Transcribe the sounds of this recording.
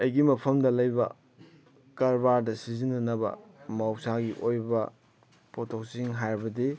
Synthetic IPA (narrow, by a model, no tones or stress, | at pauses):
ɐjɡimɐpʰɐmdɐlɐjbɐ̰ | kɐɾbaɾdɐsizinːɐnɐbɐ̰mawsaɡiʔojbɐ | potʰok̚siŋɦajɾɐbɐdi